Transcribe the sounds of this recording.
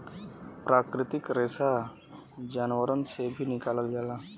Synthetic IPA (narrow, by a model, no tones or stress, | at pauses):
pɾakɾɪt̪ɪkɾesa | d͡ʒanwəɾənsebʱinɪkaːləlɡala